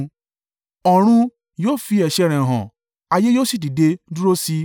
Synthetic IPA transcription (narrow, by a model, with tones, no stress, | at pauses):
ɔ˨ɾ̃ũ˧ | joː˦fi˧˦ɛ˨ʃɛ˧˨ɾ̃ɛ̃˨ɦã̰˨ | a˧je˦joː˦˨si˦˨di˨de˧du˦ɾo˦si˦